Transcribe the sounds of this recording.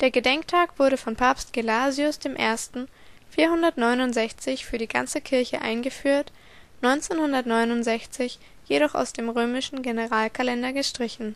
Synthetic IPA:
d̥eːɐɡədɛŋktʰaːkv̥ʊɐɾəfɔnpʰaɐpst̚ɡ̥elaːziʊsd̥eːmʔḛːɐstn̩ | fiːɐɦhʊndɐtnɔʏnʊntz̥ɛçt͡sɪçfyːɐdiːɡa̰nt͡səkʰɪɐçə̰ʔaɪnɡəfyːɐt | nɔʏnt͡seːnhʊndɐtnɔʏnʊntz̥ɛçt͡sɪç | jeɾɔχa̰ʊsd̥eːmʁøːmɪʃn̩ɡenəʁaːlkʰalɛndɐɡəʃtʁ̥ɪçn̩

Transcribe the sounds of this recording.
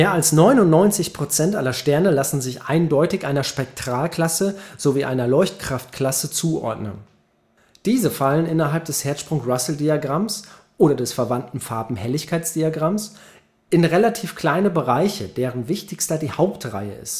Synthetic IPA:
meːɐalsnɔʏnʊntnɔʏnt͡sɪçpʁ̥ot͡sɛntʔalɐʃtɛɐnəlasn̩zɪçʔa̰ɪndɔʏtɪçʔaɪnɐʃpɛk̚tʁ̥aːlkl̥asəz̥oviːʔa̰ɪnɐlɔʏçtkʁ̥aftkl̥asət͡suːʔɔ̰ɐdnə̰n | d̥iːzəfalənɪnɐɦalp̚d̥ɛshɛːɐtʃpʁ̥ʊŋsʁasl̩diaɡʁamsʔoːɾɐdɛsfɛɐvantn̩faɐbm̩hɛlɪçkʰaɪt͡sd̥iaɡʁams | ʔɪnʁelatʰiːfkl̥aɪnəbəʁaɪçəd̥eːʁənvɪçtɪçstɐdiːhaʊptʁa̰ɪə̰ɪ̰st

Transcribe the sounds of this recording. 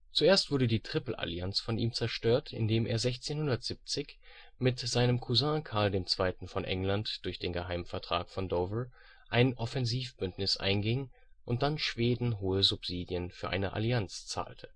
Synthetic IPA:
t͡suʔeːɐstv̥ʊɐdədiːtʁ̥ɪpl̩ʔa̰liant͡sfɔniːmt͡sɛɐʃtøːɐtʰɪ̰ndeːmḛːɐzɛçt͡seːnhʊndɐtz̥ip̚t͡sɪç | mɪtz̥aɪnəmkʰuzãːkʰaɐldeːmt͡sv̥aɪtn̩fɔnʔɛ̰ŋlantd̥ʊɐçd̥eːnɡəɦaɪmfɛɐtʁ̥a̰ːkfɔndɔvə | ʔaɪnʔɔfɛnziːfb̥ʏntnɪsʔa̰ɪnɡɪŋ | ʔʊnt̚d̥anʃv̥eːdn̩ɦoːəzupz̥iːdjənfyːɐʔa̰ɪnəʔa̰liant͡st͡sa̰ːltʰə̥

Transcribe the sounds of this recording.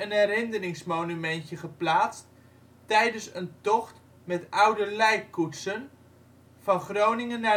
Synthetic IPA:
ənɛɾɪndərɪŋsmownymɛntjəχəplaːtt͡st | tɛjdənsəntɔχt | mɛtʌwdəlɛjkːutsən | fɑnχrownɪŋənːa

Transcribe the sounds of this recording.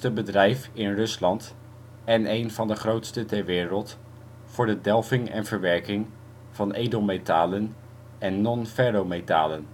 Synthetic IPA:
təbədrɛjfɪnrɵslɑnt | ɛnejnv̥ɑndəχrowtstətɛɹʋɪːɾəlˠt | fʊːɹdədɛlˠvɪŋɛ̰nvəɹʋɛɹkɪŋ | v̥ɑnejdolmetaːlən | ɛnːɔnfɛɾometa̰ːlən

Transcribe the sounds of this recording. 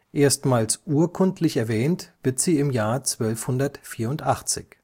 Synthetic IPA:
ʔeːɐstmaːlsʔuːɐkʰʊntʰlɪçɛɐvɛːntv̥ɪɐtz̥iːɪmjaːɐt͡sv̥œlfhʊndɐtfiːɐʊntʔaχt͡sɪ̰ç

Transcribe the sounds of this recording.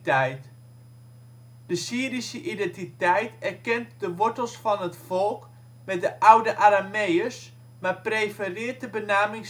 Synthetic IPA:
tɛjt | d̥əsiːɾisəʔidɛntitɛjtɛrkɛntdəʋɔɹtəlˠsfɑnɦətfɔlˠk | mɛt̚dəʔawdəʔaɾamejəs | maːprejfərɪːt̚dəbənaːmɪŋ

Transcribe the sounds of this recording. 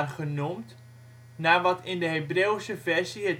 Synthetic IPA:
rχənumt | naːʋɑtɪndəɦebreːwsəvɛrsiət

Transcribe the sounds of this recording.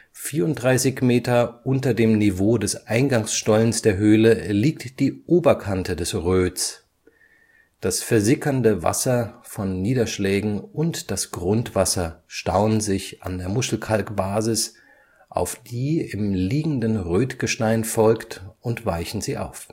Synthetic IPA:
fiːɐʊnt̚d̥ʁaɪsɪçmeːtɐʔʊntɐdeːmnivoːdɛsʔaɪnɡaŋsʃtɔlənsd̥eːɐɦøːləliːktd̥iːʔoːbɐkʰantʰədɛsʁøːt͡s | d̥asfɛɐzɪkʰɐndəva̰sɐfɔnːiːdɐʃlɛːɡŋ̩ʔʊntd̥asɡ̥ʁʊntv̥asɐʃtaʊənzɪçʔa̰ndeːɐmʊʃl̩kʰalkb̥aːzɪs | ʔa̰ʊfd̥iːɪmliːɡŋ̩dənʁøːtɡ̥əʃtaɪnfɔlktʊntv̥aɪçn̩ziːʔa̰ʊf

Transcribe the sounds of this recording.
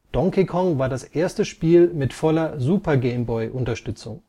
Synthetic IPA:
d̥ɔŋkikʰɔŋvaːɐdasʔeːɐstəʃpiːlmɪtfɔlɐzuːpɐɡɛɪmbɔʏʔʊntɐʃtʏt͡sʊ̰ŋ

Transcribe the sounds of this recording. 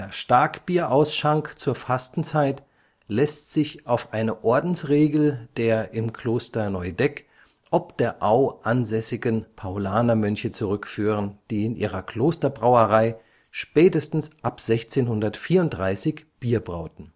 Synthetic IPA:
d̥eːɐʃtaɐkb̥iːɐʔaʊsʃaŋkt͡suːɐfastn̩t͡saɪt | lɛstz̥ɪçʔaʊfʔaɪnəʔɔɐdn̩sʁeːɡl̩d̥eːɐʔɪmkʰloːstɐnɔʏdɛk | ʔɔpd̥eːɐʔaʊʔanzɛsɪɡənpʰaolaːnɐmœnçət͡suʁʏkfyːʁ̞ənd̥iːɪnʔiːʁ̞ɐkl̥oːstɐbʁaʊəʁaɪ | ʃpɛːtəstn̩sʔapz̥ɛçt͡seːnhʊndɐtfiːɐʊntd̥ʁaɪsɪçb̥iːɐbʁa̰ʊtn̩

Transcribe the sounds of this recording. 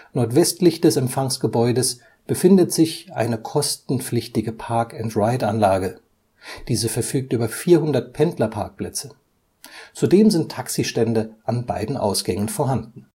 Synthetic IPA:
nɔɐtv̥ɛstlɪçd̥ɛsɛmfaŋsɡ̥əbɔʏdəs | b̥əfɪndətz̥ɪçʔa̰ɪnəkʰɔstn̩p͡flɪçtɪɡəpʰaɐkɛntʁaɪtanlaːɡə | d̥iːzəfɛɐfyːk̚tʔyːbɐfiːɐhʊndɐt̚pʰɛntlɐpʰaɐk̚pl̥ɛt͡sə | t͡sudeːmzɪntʰːaksiʃtɛndəʔanba̰ɪdn̩ʔa̰ʊsɡ̥ɛŋənfoːɐɦandn̩

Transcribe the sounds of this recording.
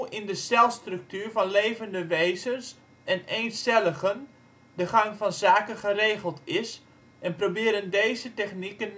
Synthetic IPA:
ɪndəstɛlˠstrʏk̚tyːrvɑnlejvəndəʋejzəns | ɛnejnstɛləχən | dəχɑŋvɑnzaːkəχərejχəlˠtɪs | ʔɛnprobɪːɾəndejzətɛχnikən

